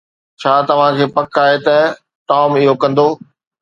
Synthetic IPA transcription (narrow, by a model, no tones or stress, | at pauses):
t͡ɕʰaːt̪ɐʋ̤ãkʰeːpɐkaːɦet̪ɐ | ʈaːmɪɦokɐ̃nd̪oː